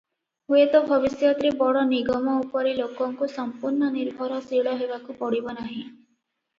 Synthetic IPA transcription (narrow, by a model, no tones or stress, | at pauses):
ɦuet̪ɔbʱɔbisjɔt̪ɾebɔɽɔniɡɔmɔupɔɾilokɔŋkusɔmpuɾɳɔniɾbʱɔɾɔsiɭɔɦebakupɔɽibɔnaɦĩ